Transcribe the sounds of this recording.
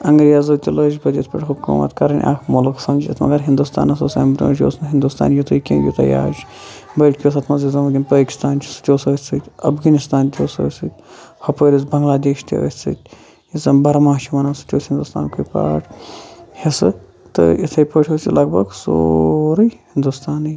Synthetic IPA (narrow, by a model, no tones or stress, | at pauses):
ɐŋɡɾjazɨːt̪ʲiləːzbɐd̪ʲit̪ʰpɐʈʰʲɦubkṵːmɐ̰t̪kɐɾɐnʲʔa̰ːkmolɨksɐmd͡ʒit̪ʰmɐ̰ɡɐɾɦind̪ust̪a̰ːnɐs̬oːsɐ̰ːmbt̪ṵnːt͡ʃʲjo̰ːsnɨɦind̪ust̪a̰ːnjut̪ʰɨjkʲẽːjo̰t̪ɐ̰ja̰ːd͡ʒ | bɐːʈkʲjoːs̬ʰɐt̪ʰmɐzizɐmɐɡʲinpaːkʲi̥st̪aːnt͡ʃʰi̥sɨ̥t̪ʲjoːsɐsɨt̪ʲɐfɡɐnist̪aːnt̪ʲoːsɐsɨt̪ʲhɐpəːɾʲisbɐŋɡlaːd̪eːʃt̪ʲo̰ə̰sɨ̰t̪ʲ | izɐmbɐɾɐmaːʃʰimɐnɐːsɨ̥t̪ʲoːsʲhind̪ust̪a̰ːnkʰujpa̰ːʈʰhisɨ | t̪ɨ̰it̪ʰɐjpəːʈʰoːsilɐɡbɐɡsoɾɨjhind̪ust̪aːnɨj